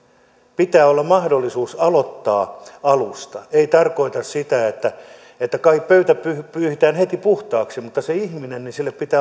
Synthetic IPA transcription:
pit̪æːolːɑmmɑhdolːisuːsɑlot̪ːɑːɑlust̪ɑeit̪ɑrkoit̪ɑssit̪æet̪ːæ | et̪ːækɑikpøyt̪æpypyːhit̪æːnhet̪ipuht̪ɑːksimut̪ːɑseihminennisilːeppit̪æː

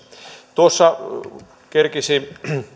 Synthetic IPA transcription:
t̪uosːɑ | kerkisi

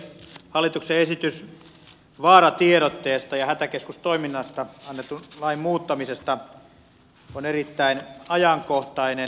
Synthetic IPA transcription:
hɑlːˑit̪ukseesit̪ys | ʋɑːrɑt̪ieɾot̪ːeːst̪ɑjɑhæt̪ækeskust̪oiminːɑst̪ɑɑnːet̪ːulɑimmuːt̪ːɑmisest̪ɑ | onerit̪ːæinɑjɑŋkoht̪ɑine

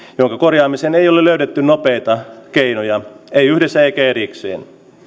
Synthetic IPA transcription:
joŋkɑkorjɑːmiseneijoleløydet̪ːynnopeit̪ɑkeinojɑeiyhdesːæeikæeɾiksḛːn

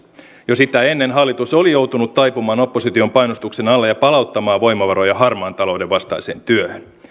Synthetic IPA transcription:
josit̪æe̞nːenɦɑlːit̪usolijo̞wt̪unut̪ːɑjpumɑːno̞pːosit̪io̞mpɑjnost̪ukse̞nɑlːejɑpɑlɑwt̪ːɑmɑːʋʋo̞jmɑʋɑɾojɑɦɑrmɑːnt̪ɑlo̞wde̞ʋʋɑst̪ɑ̰jse̞̰ːnt̪yøhøn

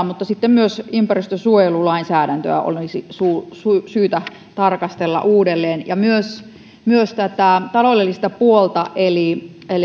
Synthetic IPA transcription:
mut̪ːɑsit̪ːemmyøsympærist̪øsuojelulɑinsæːɾænt̪ø̰æʔo̰lnisisuːsusyːt̪æ | t̪ɑrkɑst̪elːɑ̰ʔuːdelːeːnjɑmyøs | myøst̪æt̪æˑt̪ɑloˑlelːist̪ɑpuolt̪ɑʔeli | el

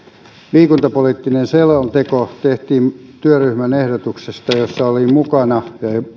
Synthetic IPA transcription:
liːkunt̪ɑpolit̪ːinenselont̪ekot̪eht̪iːnt̪yøryhmænehdot̪uksest̪ɑjosːɑolimukɑnɑjɑ

